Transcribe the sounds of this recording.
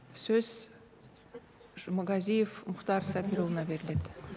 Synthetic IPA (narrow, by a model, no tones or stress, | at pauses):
sɵz̥ | mɐɡɑzʲijefmʊχt̪ɑɾsɑpʲiɾovnɑbeɾlet̪